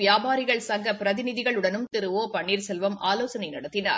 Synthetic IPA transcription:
ɪjaːbaːɾɪɣɐɭsɐŋɡɐpɪɾɐðɪnɪðɪɣɐɭɯɽɐnɯmt̪ɪɾɯʋoːpɐɳːiːɾsɛlʋɐmʔaːloːsɐnɐɪnɐɽɐt̪ːɪna̰ːɾ

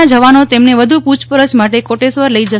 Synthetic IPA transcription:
ad͡ʒəʋanot̪emneʋəd̪ʱuput͡ʃpəɾət͡ʃmaʈekoʈesʋəɾləid͡ʒə

